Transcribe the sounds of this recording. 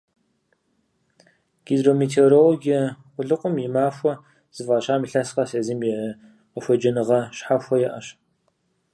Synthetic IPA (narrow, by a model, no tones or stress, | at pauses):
ɡ̥iːdromeːtʰeoɾoloɡɐ | wʷʊɮɨqʷʼʊmjɪmaːfʷɔ | z̥ɨvaːɕʼaːmiɬɐsqɐseːzimjɛ | əfʷɔd͡ʒɐnɨʁɐɕħaxʷɔjɛʔɐɕ